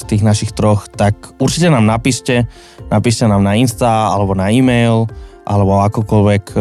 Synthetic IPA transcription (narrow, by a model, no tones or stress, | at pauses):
st̪iːɣnaʃixt̪ɾɔxt̪akuɾt͡ʃicɛnaːmnapiʃcɛ | napiʃcɛnaːmnainst̪aa̰lɛbɔnaiːmɛjlʔalɛbɔakɔkɔlʋɛk